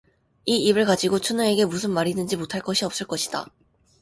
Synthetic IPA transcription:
iibɯɭkad͡ʑiɡot͡ɕʰunɯe̞ɡe̞mus̬ʰɯnmaɾidɯnd͡ʑimotʰaɭk͈ʌɕʰiʌp̚s͈ɯɭk͈ʌɕʰi̥d̥a̰

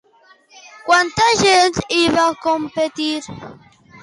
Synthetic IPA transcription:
kwant̪aʒent̪iβakompet̪iɾ

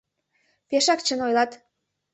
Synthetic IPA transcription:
peʃɑkt͡ɕə̆nojlɑt̪

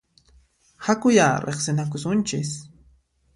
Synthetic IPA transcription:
hakʊjaːɾeχsɪnak̬ʊsʊnt͡ʃɪs

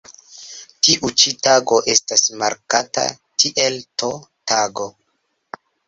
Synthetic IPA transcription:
tiʔut͡ʃitaɡoʔe̞stasma̰ɾkata̰ | tʰiʔeltotʰaɡo̞

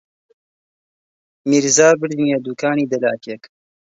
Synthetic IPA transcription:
miɾzaːbɨɽinjad̪ukaːniːd̪ɐlaːkek

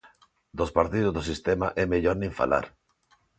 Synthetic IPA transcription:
d̪ospaɾt̪ið̞ozðosist̪ɛmaʔɛmeʎoɾnĩɱfa̰la̰ɾ

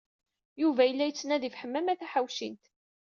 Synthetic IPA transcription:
juvæjəlːæjət͡sːnæðifħəmːæmæθæħawʃint̪

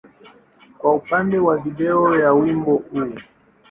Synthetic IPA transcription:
kwaupandɛwaviɗɛɔjawimbɔujɛ

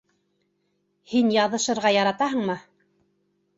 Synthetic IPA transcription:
hinjɑðɤ̆ʃɤ̆ɾʁɑjɑɾɑt̪ɑɦɤ̆ɴmɤ

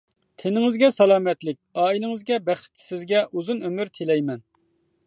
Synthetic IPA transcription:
t̪ʰenɪŋɪzɡʲɛsɛlˠɑːmɛt̪lɪk̚ʲɑːilɪŋɪzɡʲɛbɛχɪ̥t̪ːʰɪ̥sɪzɡʲɛʔuzunømyɾt̪ʰelɛjmɛn

